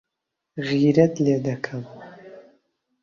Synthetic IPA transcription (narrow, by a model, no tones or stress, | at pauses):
ʁiːɾɐdledɐkʰɐm